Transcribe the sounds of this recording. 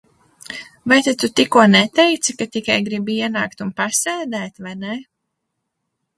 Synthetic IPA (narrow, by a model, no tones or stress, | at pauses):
vajt̪at̪ut̪ikːuɔnɛt̪ɛjt̪sɨkat̪ikajɡɾibiiɛnaːkt̪unpasɛːd̪ɛːt̪vajnɛ